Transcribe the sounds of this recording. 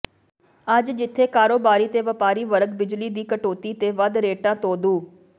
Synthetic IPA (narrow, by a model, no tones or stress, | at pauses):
ɐd͡ʒd͡ʒɪt̪ʰːeːkaːɾoːbaːɾiːt̪eːʋəpaːɾiːʋəɾəkbɪd͡ʒliːd̪iːkəʈoːt̪iːt̪eːʋɐd̪ɾeːʈãːt̪oːd̪uː